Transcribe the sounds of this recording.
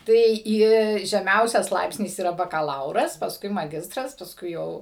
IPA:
ˈtɐɪ ˈɪ ʒʲɛˈmʲɛʊsʲɛs ˈlˠɐɪpʲsʲnʲɪs iːˈrɐ bɐkɐˈlˠɐʊrɐs pɐsˈkʊɪ mɐˈɡʲɪstrɐs pɐsˈkʊɪ ˈjɛʊ

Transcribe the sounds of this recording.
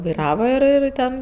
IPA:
ʋɐɪˈrɑːʋɐ ɪr ɪr ˈtʲɛn

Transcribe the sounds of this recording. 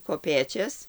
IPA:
koːˈpʲeːt͡ʃʲɛs

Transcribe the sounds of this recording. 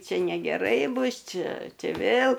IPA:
ˈt͡ʃʲɪ nʲɛɡʲɛˈrɐɪ ˈbʊs ˈt͡ʃʲɪ ˈt͡ʃʲɪ ˈʋʲeːlˠ

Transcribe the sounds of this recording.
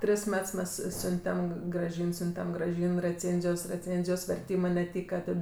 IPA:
ˈtʲrʲɪs ˈmʲɛts ˈmʲɛs ˈsʲʊnʲtʲɛm ɡrɐˈʒʲiːn ˈsʲʊnʲtʲɛm ɡrɐˈʒʲiːn rʲɛˈt͡sʲeːnʲzʲɪjoːs rʲɛˈt͡sʲeːnʲzʲɪjoːs ʋʲɛrʲˈtʲiːmɜ nʲɛˈtʲiːkɐ ˈtɐt

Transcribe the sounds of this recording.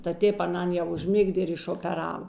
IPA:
tɐ ˈtʲeːp ɐˈnɐn jɛʊ ʊʒʲˈmʲɪɡdʲeː ɪr ɪʃoːpʲɛˈrɑːʋɐ

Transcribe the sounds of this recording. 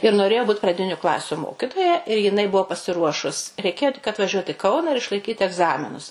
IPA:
ɪr noːˈrʲeːjoː ˈbuːt prɐˈdʲɪnʲʊ ˈklˠɑːsʲʊ ˈmoːkʲɪtoːjɛ ɪr jɪˈnɐɪ ˈbʊʋoː pɐsʲɪˈruɔʃʊs rʲɛɪˈkʲeːjoː tʲɪk ɐtʋɐˈʒʲuɔt ɪ ˈkɐʊnɐ ɪr ɪʃlˠɐɪˈkʲiːt ɛɡˈzɑːmʲɪnʊs

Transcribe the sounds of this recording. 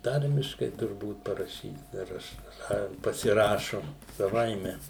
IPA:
ˈtɐrʲmʲɪʃkɐɪ tʊrˈbuːt pɐrɐˈʃʲiːt dɐr ˈɐʃ ˈnɐ pɐsʲɪˈrɑːʃʊ sɐˈʋɐɪmʲɛ

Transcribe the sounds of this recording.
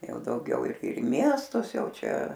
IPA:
ˈjɛʊ dɐʊˈɡʲɛʊ ɪr ɪr ɪ ˈmʲiɛstʊs ˈjɛʊ ˈt͡ʃʲɛ

